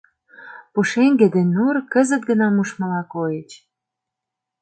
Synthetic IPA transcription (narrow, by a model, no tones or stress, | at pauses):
puʃeŋɡed̪enurkə̆zət̪̚ɡənɑmuʃmə̆lɑkojet͡ɕ